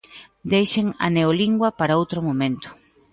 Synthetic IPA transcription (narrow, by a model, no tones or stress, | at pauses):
d̪ejʃeŋɐ̰neoliŋɡwɐpaɾaowt̪ɾomomẽnt̪ʊ̥